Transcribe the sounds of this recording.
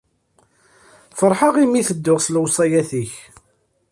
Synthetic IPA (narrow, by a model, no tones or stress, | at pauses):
fəɾˤħɑʁimiθəd̪ːʊʁslwsˤɑjæθiç